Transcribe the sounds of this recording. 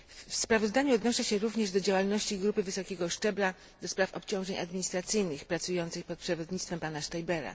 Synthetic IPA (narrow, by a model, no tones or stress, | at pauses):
fspɾavɔzd̪aɲuɔd̪nɔʂɛɕɛɾuvɲɛʐd̪ɔd͡ʑawalnɔɕt͡ɕiɡɾupɘvɘsɔkʲeɡɔʂt͡ʂɛbɾa | d̪ɔspɾafɔpt͡ɕɔ̃w̃ʐɛɲʔa̰d̪mʲiɲist̪ɾat̪sɘjnɘxpɾat̪sujɔnt̪sɘxpɔt̪̚pʂɛvɔd̪ɲit̪t̪fɛmpanaʂt̪ajbɛɾa̰